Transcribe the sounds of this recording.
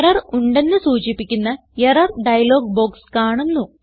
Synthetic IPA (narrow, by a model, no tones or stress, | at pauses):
rɐruɳɖe̞nːɨsuːt͡ɕipːikʲːunːɐ | jɐrɐrɖɐjɐlo̞ːɡbo̞ːkskaːɳunːu